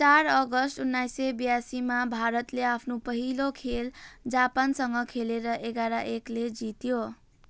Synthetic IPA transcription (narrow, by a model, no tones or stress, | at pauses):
t͡saɾʌɡʌsʈunːajsebijasimabʱaɾʌt̪leapʰnopʌɦilokʰeld͡zapansʌŋɡʌkʰeleɾʌʔeɡaɾaʔekled͡zit̪jo